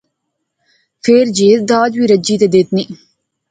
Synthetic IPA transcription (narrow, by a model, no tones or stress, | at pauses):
feːɾd͡ʒeːt̪d̪aːd͡ʒʋiɾɐd͡ʒiːt̪ed̪eːt̪ni